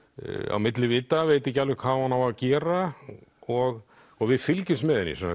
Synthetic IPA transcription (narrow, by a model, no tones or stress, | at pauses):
a̰wmɪt̪lɪvɪːt̪aveːjt̪ɪecːalvɪkʰv̥aːhanːawaðcɛːɾa | ɔɣ | ɔɣvɪðfɪlcɪst̪mɛðɪnːḭsɛnːa